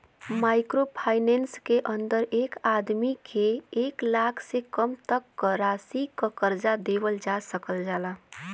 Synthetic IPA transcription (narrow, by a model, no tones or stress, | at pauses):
maɪkɾopʰaɪnenskeʔənd̪əɾekad̪mikʰeeklakʰsekəmt̪əkːəɾasikəkəɾd͡ʒad̪ebəld͡ʒasəkəld͡ʒala